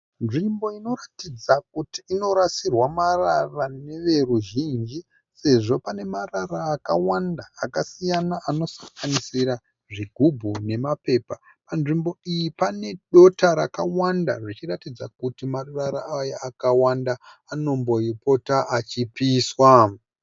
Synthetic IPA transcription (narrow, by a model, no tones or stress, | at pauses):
nʐimbo̞ino̞ratid͡zak̚utiːno̞ɾasirwamararane̞ʋe̞ruʒind͡ʒi | se̞ʐo̞pane̞mararaːkawandaːkasijanaʔano̞sḁŋɡanisiɾa | ʐiɡʱubʱune̞mape̞pa | panʐimbo̞ijipane̞ɗo̞taɾakawanda̰ʐit͡ʃiratid͡zakutimaraɾaajaakawandaː | no̞mbo̞ipo̞taʔat͡ʃipiːswa